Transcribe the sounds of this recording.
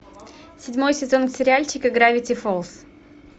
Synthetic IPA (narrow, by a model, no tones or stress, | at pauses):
sʲɪdʲmo̞jsʲɪzo̞nksʲɪɾʲɪalʲt͡ɕɪkɨɡɾavʲɪtʲɪfolˠs